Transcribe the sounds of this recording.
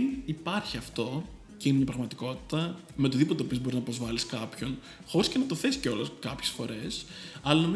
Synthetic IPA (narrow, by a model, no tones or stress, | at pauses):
ipɐɾçiɐft̪o̞ | ceinemɲɐpɾɐɣmɐt̪iko̞t̪i̥t̪ɐ | me̞t̪oðipot̪eopio̞zbo̞ɾiznɐpɾo̞zvɐliskɐpço̞n | xo̞ɾisce̞nɐt̪o̞θe̞si̥ceo̞lɐskɐpçesfo̞̰ɾe̞sɐlɐnomi